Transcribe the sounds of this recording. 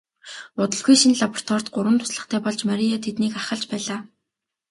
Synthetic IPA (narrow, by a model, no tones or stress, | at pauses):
ʊt̪ə̆ɮɡujʃinɮapɔr̥t̪ʰɔr̥t̪ɢʊɾwə̆nt̪ʰʊ̥sɮə̆χt̪ʰæːpɔɮt͡ɕmaɾʲiat̪ʰet̪niːkaχə̆ɮt͡ɕpæːɮaː